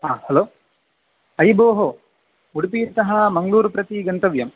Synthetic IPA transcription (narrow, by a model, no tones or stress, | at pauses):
aːhɐloː | ɐjboːɦo | uɽipiːt̪ɐɦɐmɐŋɡluːɾupɾɐt̪iɡɐnt̪ɐʋjɐm